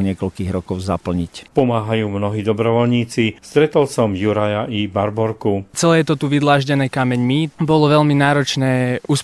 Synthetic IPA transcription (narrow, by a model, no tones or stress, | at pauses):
ɲɪɛkɔlkiːɣɾɔkɔʊzapl̩ɲicpɔmaːɦajuːmnɔɦiːd̪ɔbɾɔʋɔlɲiːt͡sist̪ɾɛt̪ɔlsɔmjuɾajaʔibaɾbɔɾkut͡sɛlɛːjɛt̪ɔt̪uʋid̪laːʒɟɛnɛːkamɛɲmibɔlɔʋɛʎminaːɾɔt͡ʃnɛːʔuːs